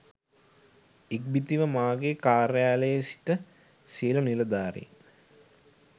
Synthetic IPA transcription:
ik̚bit̪iʋəmaːɡekaːɾjaːləjəsi̥ʈə | siələnilɐd̪aːɾḭ

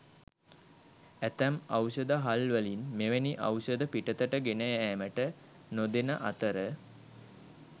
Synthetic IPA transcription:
æt̪æmawsəd̪əɦalʋəlinmeʋeniʔa̰wsəd̪əpiʈət̪əʈəɡenəjəæːməʈə | nod̪enəʔat̪əɾə

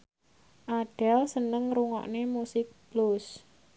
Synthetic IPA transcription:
ʔaɖ̥ɛlsənəŋɾuŋɔ̰ʔnemusɪk̚b̥lus

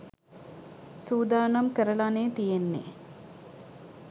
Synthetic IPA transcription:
suːd̪aːnɐmkəɾəlaneːt̪ijenːḛ

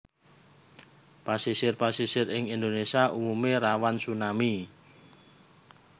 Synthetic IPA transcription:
pasisɪrpasisɪrɪŋind̪onesiaʔumumeɾawansunami

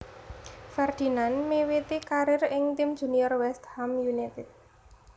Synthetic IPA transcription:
fɛrd̪̥i̤nanmewit̪ikaɾɪrɪŋt̪imd̥ʒ̥ṳniɔrwɛst̪hamjunit̪ɪt̪̚

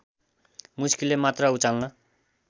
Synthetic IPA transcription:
muskilemat̪rʌut͡salnʌ

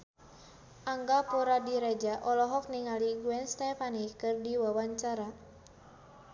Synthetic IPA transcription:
ʔaŋɡapuɾadiɾɛd͡ʒaʔɔlɔɦɔk̚niŋaliɡuɛnst̪ɛfanikɨrdiwawaɲt͡ʃaɾa

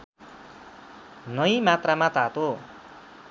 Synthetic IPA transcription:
nʌjmat̪ramat̪at̪o

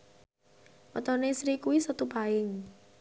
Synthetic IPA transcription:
wət̪ɔnesɾikuwisət̪upaɪŋ

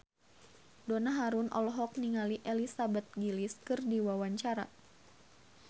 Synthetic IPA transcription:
donaɦaɾunʔɔ̰lɔɦɔk̚niŋaliʔelisabɛt̪̚ɡiliskɨrdiwawaɲt͡ʃaɾa

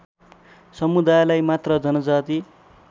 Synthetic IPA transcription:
sʌmud̪ajlajmat̪rʌd͡zʌnʌd͡zat̪i

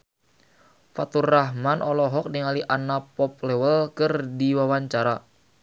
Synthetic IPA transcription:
fat̪urːaɦmanʔɔlɔɦɔk̚niŋaliʔanapɔp̚lɛwəlkɨrdiwawaɲt͡ʃaɾa

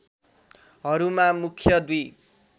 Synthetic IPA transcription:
ɦʌɾumamukʰjʌd̪uj

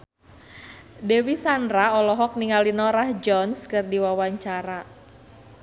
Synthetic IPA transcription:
dɛwisandɾaɔlɔɦɔk̚niŋalinɔɾahd͡ʒɔnskɨrdiwawaɲt͡ʃaɾa

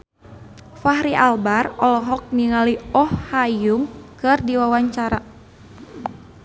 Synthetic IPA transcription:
faɦɾiʔalbarɔlɔɦɔk̚niŋaliɔhːajuŋkɨrdiwawaɲt͡ʃaɾa

